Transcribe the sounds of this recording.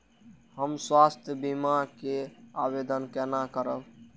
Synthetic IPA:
həmswast̪ʰjəbimakeabed̪ənkɛnakəɾəb

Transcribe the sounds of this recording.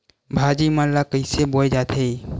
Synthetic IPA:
bʱaːd͡ʒiːmãlakəɪseboːed͡ʒaːt̪ʰe

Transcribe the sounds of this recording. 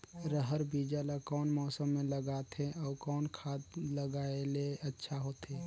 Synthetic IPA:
ɾəɦəɾbid͡ʒalakɔːnmɔːsəmːẽləɡat̪ʰẽɔːɾkɔːnkʰaːt̪ləɡaeleətːʃʰaɦoːt̪ɦeː

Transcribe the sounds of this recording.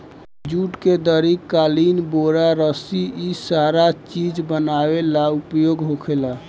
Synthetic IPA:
d͡ʒuːʈked̪əɾikːalinboɾaɾəsiʔisaɾat͡ʃid͡ʒbənawelaʊpjoɡɦokʰela

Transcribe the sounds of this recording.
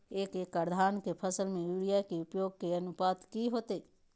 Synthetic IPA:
eːkeːkːəɾd̪ʱaːnkepʰəsəlmẽjuːɽijakeʊpjoːɡ̚keɐnʊpaːd̪kiɦoːt̪eː

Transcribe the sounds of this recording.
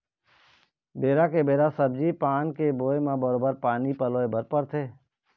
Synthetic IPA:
beːɾakebeːɾasəbd͡ʒipaːnkeboːemãbəɾoːbəɾpaːnipəloːebəɾpəɾt̪ʰeː

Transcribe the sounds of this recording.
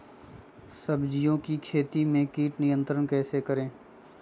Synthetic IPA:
səbd͡ʒɪjõkikʰeːt̪imẽkiːʈnɪjə̃nt̪ɾənkɛːsekəɾẽː

